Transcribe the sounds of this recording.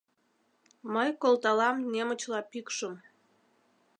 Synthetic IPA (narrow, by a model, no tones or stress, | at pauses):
məjkolt̪ɑlɑmnemə̆t͡ɕlɑpykʃəm